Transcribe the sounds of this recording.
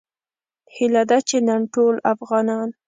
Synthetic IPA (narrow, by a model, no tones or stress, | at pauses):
hilad̪at͡ʃenaɳʈolafɣɑnɑn